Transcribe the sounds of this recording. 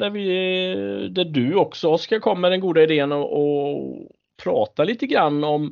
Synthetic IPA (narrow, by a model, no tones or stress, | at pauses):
d̪æɾvɪ | d̪æɖɵɔksɔskakʰɔmːəd̪ɛnɡuːd̪aɪd̪eːənɔʔɔ | pʰɾɑːt̪aliːt̪əɡɾanːɔm